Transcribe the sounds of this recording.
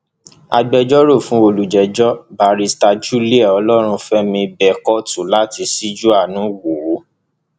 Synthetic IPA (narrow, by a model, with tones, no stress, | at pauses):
a̰˧ɡ͡bɛ˧d͡ʒɔ˦ɾo˦˨fũ˨˦o˧lu˨d͡ʒɛ˨d͡ʒɔ˦ba˨ɾi˦˧sta˧d͡ʒu˦li˦ɛ˦˨ɔ˧lɔ˦ɾ̃ũ˧fɛ˦mĩ˧bɛ˦˨kɔ˦tu˨la˦ti˧si˦d͡ʒu˦a˦˨nũ˨˦wo˨o˨˦